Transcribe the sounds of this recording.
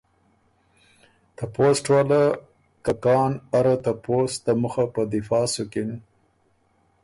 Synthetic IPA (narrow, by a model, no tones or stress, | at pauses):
t̪aposʈwala | kakɑːnaɾat̪apost̪aməxapəd̪ɪfɑːsukɪn